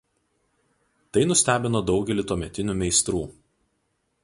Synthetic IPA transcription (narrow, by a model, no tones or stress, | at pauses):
t̪ɐɪnʊsʲt̪ʲæːbʲɪnoːd̪ɒʊɡʲɛlʲɪt̪uɔmʲɛt̪ʲɪnʲuːmʲɛɪst̪ɾuː